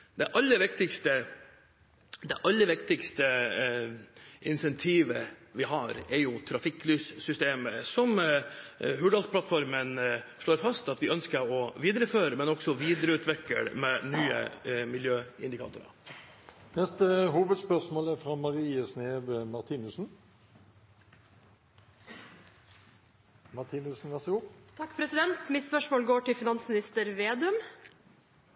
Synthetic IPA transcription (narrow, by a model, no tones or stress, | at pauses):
d̪ɛʔɑlːəɾʋɪkt̪ɪkst̪ə | d̪ɛʔɑlːəɾʋɪk̚t̪ɪkst̪ə | ʔɪnsɛnt̪ʰiːʋəʋɪɦɑɾɛɾjʊt̪ʰɾɑfɪkːlyːssʏst̪eːməsɔm | ɦʉːɖɑlspʰlɑt̪fɔɾmənʂɭoːɾfɑst̪ɑt̪ʋɪœnskəɾɔʋiːd̪əɾəføːɾəmɛnɔksɔʋiːd̪əɾəʉːt̪ʰʋɛkːə̰ɽmɛnyːə̰mɪljøːɪ̰nd̪ɪkʰɑ̰ːt̪ʊ̰ɾɑ̰ | nɛst̪əhuːʋəd̪spœʁʂmoːlæfɾɑmɑʁiːəsneːʋəmɑʁt̪ʰiːnʉsn̩ | mɑʁt̪ʰiːnʉsn̩ʋæʁsɪɡuːt̪ʰɑkːpʰɾɛsɪd̪ɛnt̪mɪt̪spœʂmoːlɡoːʈɪfɪnɑnsmɪnɪst̪əɾʋeːd̪ʉm